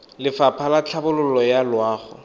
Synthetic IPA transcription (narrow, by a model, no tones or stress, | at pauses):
lɪfapʰalat͡ɬʰabʊlʊlɔjalwaːχɔ̰